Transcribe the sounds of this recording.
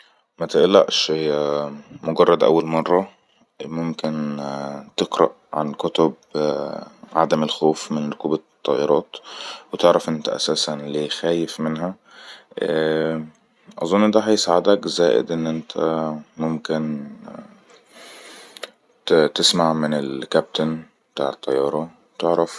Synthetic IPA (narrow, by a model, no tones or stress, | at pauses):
mæt̪eʔlːæ̰ʔʃ | moɡɑrˤːɑd̪ʔæ̰wːælmɑrˤːɑ | momken | t̪eqɾɑ̰ʔ | ʕa̰nkot̪ob | ʕad̪æmelxoːfmɪnɾokuːbæt̪ˤːɑːʔeɾˤɑːt̪wet̪eʕɾɑfʔent̪æʔæ̰sæːsænleːxæːjefmenɦæ | ʔɑ̰zˤonːd̪æːɦɑjsaʕad̪ækzæːʔɪ̰d̪ʔɪnːʔɪnt̪ʰæ̰mʊmkɪn | t̪ɪsmaʕmɪnɪlkæp̚t̪an | bt̪aːʕet̪ˤːɑjːɑːɾˤɑwt̪eʕɾɑf